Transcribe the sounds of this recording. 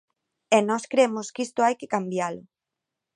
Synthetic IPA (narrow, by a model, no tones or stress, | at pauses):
ɛnɔskɾemʊskist̪ʊajkɪkambjalʊ